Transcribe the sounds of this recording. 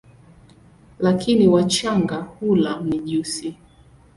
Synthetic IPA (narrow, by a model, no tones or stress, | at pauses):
lakʰiniwat͡ʃaŋɡahulam̩niʄusi